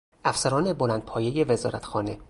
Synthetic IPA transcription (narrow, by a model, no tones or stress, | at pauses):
ʔæfsæɾɒːne̞bo̞læːnd̪̚pʰɒːjeje̞ve̞zɒ̰ːɾæt̪ʰxɒːne̞